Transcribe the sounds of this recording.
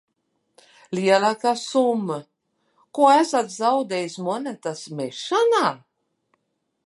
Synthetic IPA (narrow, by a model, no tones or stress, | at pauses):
liɛlaːkasumːɨ | kuɔæsat̪zawd̪ɛjismɔnat̪asmɛʃanaː